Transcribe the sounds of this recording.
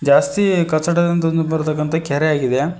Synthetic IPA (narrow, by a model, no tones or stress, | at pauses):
d͡ʒaːst̪ikɐt͡ʃːɐʈɐd̪ɐnt̪ɐnd̪ubɐɾt̪ɐk̬ːɐnt̪ɐkaːɾeaːɡid̪e